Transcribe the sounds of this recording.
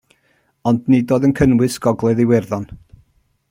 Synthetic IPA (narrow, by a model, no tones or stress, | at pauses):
ɔndnidoːðənkʰənwɨsɡ̥ɔɡlˠɛðiwɛrðɔn